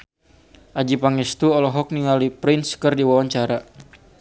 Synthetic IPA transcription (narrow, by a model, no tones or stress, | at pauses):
ʔad͡ʒipaŋɛst̪uɔlɔɦɔk̚niŋalipɾɪnskɨrdiwawaɲt͡ʃaɾa